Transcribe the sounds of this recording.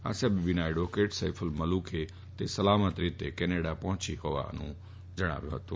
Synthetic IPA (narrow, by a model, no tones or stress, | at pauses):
a̰ːsabibɪnaːeɖoːkeːʈsaɪpʰəlmɐluːkʰe | t̪esəlaːmət̪ɾɪt̪ekɛneːɽapɐ̃ɦt͡ʃiɦoːʋa̰nũ | d͡ʒəɽ̃a̰ːʋjo̰ɦət̪õː